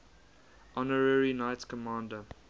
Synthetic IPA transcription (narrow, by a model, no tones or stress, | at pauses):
ʔɔnəɹəɹinaɪtskʰɔmãːndə